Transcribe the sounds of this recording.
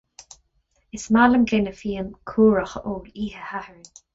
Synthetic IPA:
ɪsmaləmɡɪnəfiːəmkʰuːɹəxəʔoːliːhəhahəɹən

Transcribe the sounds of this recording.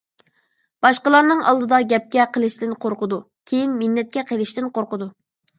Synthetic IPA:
b̥ɑʃqəlˠɑɾnɨŋɑ̰lˠd̪ɨd̪ɑɡʲɛp̚kʲɛqʰəlˠɨʃd̪ɪnqʰoɾqʊd̪u | kʲʰejinmɪnːɛt̪̚kʲɛqʰelɪʃt̪ɪnqʰoɾqʊd̪u

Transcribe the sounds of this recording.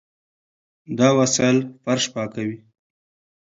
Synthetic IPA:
d̪ɑwasajlfaɾʃpɑkawi

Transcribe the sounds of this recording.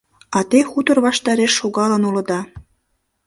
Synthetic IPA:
ɑt̪exut̪ə̆rβɑʃt̪ɑɾeʃːoɣɑlə̆nulɤ̆d̪ɑ

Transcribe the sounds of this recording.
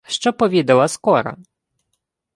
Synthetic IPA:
ʂt͡ʂɔpɔvʲɛd̪awaskɔɾa̰

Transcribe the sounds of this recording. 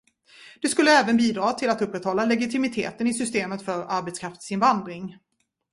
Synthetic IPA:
d̪̥ɛskɵlːəɛːvənbiːd̪ɾɑːt̪ʰɪlat̪ɵpːɾɛt̪hɔlːalɛɡɪt̪ʰɪmɪt̪ʰḛːt̪ənɪsʏst̪eːmət̪fœɾaɾbɛt̪skʰɾaft̪sɪnvand̪ɾɪŋ

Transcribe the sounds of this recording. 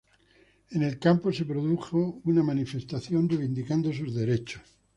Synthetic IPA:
ene̞lkampo̞se̞pɾoðuxo̞unamanife̞st̪aθjo̞ndreβind̪ikand̪os̬uzðe̞ɾe̞t͡ʃos

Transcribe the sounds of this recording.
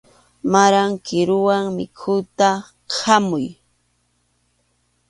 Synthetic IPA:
maɾaŋkɪɾʊwaŋmɪ̰kʰʊt̪a | hamʊj

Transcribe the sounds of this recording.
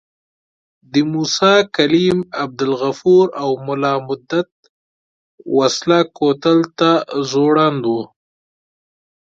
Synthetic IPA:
d̪əmusɑkalimab̚d̪ɪlɣafuɾawmʊlɑːmʊd̪ːat̪̚ | waslakot̪alt̪azoɽand̪u

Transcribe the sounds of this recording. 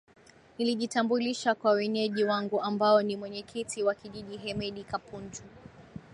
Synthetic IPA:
niliʄitambuliʃakwawɛɲɛʄiwaŋɡuambaɔnimwɛɲɛkʰitiwakiʄiʄiɦɛmɛɗikapuntʰu

